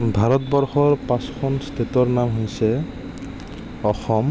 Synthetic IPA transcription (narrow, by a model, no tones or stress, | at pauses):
bʱaɾɔt̪̚bɔɾxɔɾpãskʰɔnst̪ʰet̪ɔɾnamɦojsʰe | ɔxɔm